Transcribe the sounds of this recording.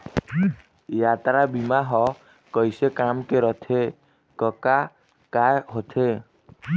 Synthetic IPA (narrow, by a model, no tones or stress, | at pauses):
jat̪ɾabimaɦɔ | kəjsekamkeɾɔt̪ʰe | kɔka | kajɦot̪ʰe